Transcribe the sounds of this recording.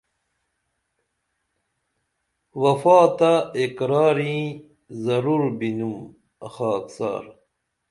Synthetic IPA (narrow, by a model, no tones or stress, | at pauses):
wɐfaːt̪aekɾaːɾĩ | zɐɾuɾbinum | ɐxaːksa̰ːɾ